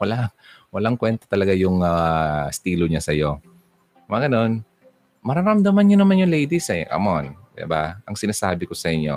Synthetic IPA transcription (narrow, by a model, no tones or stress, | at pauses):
wɐlawɐlaŋkwɛnt̪ɐ̥t̪ɐlɐɡajʊŋast̪iːloɲasɐjo̞ | mɐɡɐno̞n | mɐɾaɾɐmd̪ɐmɐnɲonɐmanjʊŋlɛjd̪ɪsɐʔɐ̰mon | ɪ̰ba̰ʔɐŋsɪnaːsaːbɪkosɐʔɪɲːo̞̰